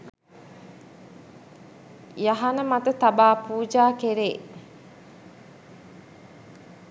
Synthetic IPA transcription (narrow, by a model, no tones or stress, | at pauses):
jaɦanəmat̪ət̪abaːpuːd͡ʒaːkeɾeː